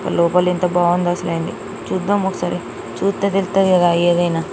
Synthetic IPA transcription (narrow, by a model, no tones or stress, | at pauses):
kɐ̰lɔːpɐlent̪ɐbaːʋɐnd̪ɐsleːjɐɳɖḭ | t͡ʃuːd̪aːmɔkɐ̥saːɾi | t͡ʃuːst̪eːt̪elust̪ɐd̪ikɐd̪aeːd̪ɐjnaː